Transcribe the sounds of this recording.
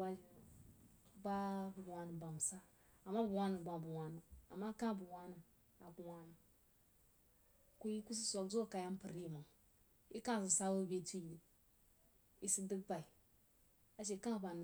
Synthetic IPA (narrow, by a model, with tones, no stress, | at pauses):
wa˦i˨ | ba˦bu˨wa˨ni˨ba˨m˨sa˦ | a˨mːa˦bu˨wa˦na˨ɡ͡ba˨bu˨wʷa˨nu˨a̰˨mːa˦kã˦˨bu˨wa˦na˨ | a˨bu˨wa˨na˨ | ku˦ji˦ku˦s̬i˦sʷa˨kzo˦˨ka˨ja˦m˦pə˨ɾi˦˨ma˨ | i˦kã˦˨si˨sa˦wu˦be˦tu˦ji˨ | i˨si˦dɨ˦k̚ba˨i˨ | a˨ʃ̬e˨˦kã˦˨ba˨n˨